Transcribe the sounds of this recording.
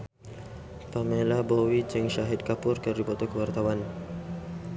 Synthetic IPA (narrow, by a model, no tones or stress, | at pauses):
pamelabɔwid͡ʒɛŋʃaɦɪd̪̚kapʊrkərdibɔt̪ɔkəwart̪awan